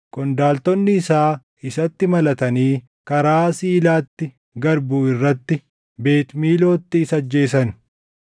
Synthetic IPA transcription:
kʼɔnd̪aːlt̪ɔnːɪːsaː | ɪsɐt̪ːɪmɐlɐt̪ɐniː | kɐɾaːsiːlaːt̪ːɪ | ɡɐɾbuːɪrːɐt̪ːɪ | be̞ːt̪miːlo̞ːt̪ːɪːsɐd͡ʒːe̞ːsɐn

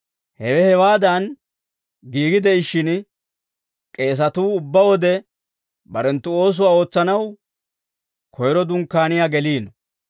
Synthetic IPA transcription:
hɛwɛhɛwaːd̪ɐn | ɡiːɡɪd̪ɛɪʃːɪn | kʼe̞ːs̬ɐt̪uːʊbːɐwɔd̪ɛ | bɐɾɛnt̪ːʊo̞ːs̬ʊwaːo̞ːt͡sːɐnɐw | kʰɔjɾɔd̪ʊŋkːaːnɪjaːɡɛliːnɔ

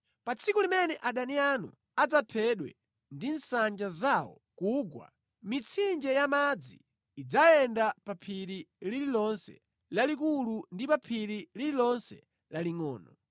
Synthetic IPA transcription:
pat͡sʰikulimɛnɛʔaɗanianṵ | ad͡zapʰɛɗwɛ̰ | ndin̩sand͡ʒazawɔ̰ | kuɡwa̰ | mit͡sʰind͡ʒɛjamad͡ziː | d͡zajɛndapapʰiɾilililɔnsɛ̰ | lalik̬ulundipapʰiɾilililɔnsɛ̰ | laliŋɔ̰ːnɔ

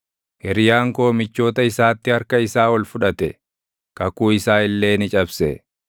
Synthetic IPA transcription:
hɛɾɪjaːŋko̞ːmɪt͡ʃːo̞ːt̪ɐɪsaːt̪ːɪhɐɾkɐɪsaːwɔlfʊᶑɐt̪ɛ | kɐkuːɪsaːɪlːe̞ːnɪt͡ʃʼɐbsɛ

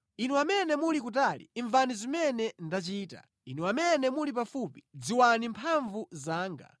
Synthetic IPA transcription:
inuwamɛnɛmulik̬ut̬alḭːɱvanizimɛnɛndat͡ʃiːta̰ | inuwamɛnɛmulip̬afupi̥d͡ziwanimpʰaɱvuzaːŋɡa̰

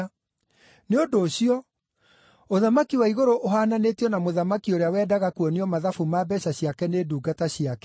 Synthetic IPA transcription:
neondoːɕiɔ | oðamakiwaiɣoɾoʔoɦaːnanetiɔnamoðamakioɾeawɛːdaɣakuɔneɔmaðafumabɛɕaɕiakɛneːduːɡataɕijakɛ

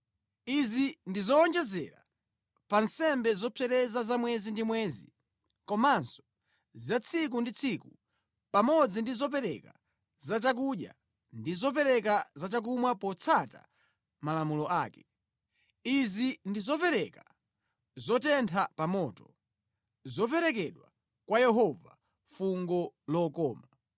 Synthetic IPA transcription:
izindizɔːnd͡ʒɛzɛ̰ɾa | pansɛmbɛzɔpʰɛɾɛzazamwɛzindimwɛːzḭ | kɔmansɔ̥ | zat͡sʰikundit͡sʰiku | pamɔd͡zindizɔpɛɾɛ̰ka | zat͡ʃak̬uɗja̰ | ndizɔp̬ɛɾɛkazat͡ʃak̬umwapɔt͡sʰata̰ | malamulɔʔaːkɛ | izindizɔpɛɾɛka | zɔtɛntʰapamɔːtɔ | zɔpɛɾɛkɛɗwa̰ | kwajɛɦɔva̰ | fuŋɡɔlɔkɔːma

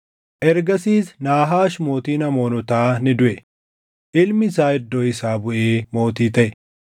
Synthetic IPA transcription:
ʔɛɾɡɐsiːsnaːɦaːʃmo̞ːt̪iːnɐmo̞ːnʊt̪aːnɪd̪ʊʔɛ | ʔɪlmɪsaːɪd̪ːoːɪsaːbʊʔeːmo̞ːt̪iːt̪ɐʔɛ

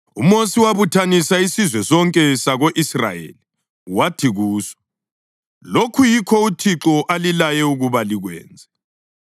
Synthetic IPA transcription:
ṵmosiwaβutʰanisaisizwɛsɔŋkʼɛsaɣoʔisra̰jḛli | watʰiɣuːsɔ̥ | lokʰujikʰɔutʰiǁɔʔalilajɛuɣuβaliɣwɛ̰ːnd͡zʱɛ

